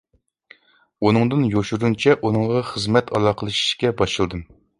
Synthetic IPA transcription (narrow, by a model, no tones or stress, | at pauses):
unɨŋd̪ɨnjoʃuɾunt͡ʃʰɛʔunɨŋʁɑχəzmɛt̪ʰɑ̰lˠɑːqʰəlˠɨʃi̥ʃkʲɛbɑʃɨlˠd̪ɨm